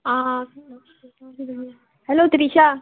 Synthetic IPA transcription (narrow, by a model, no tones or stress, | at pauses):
aː | hɛloːt̪ɪɾiːʃaː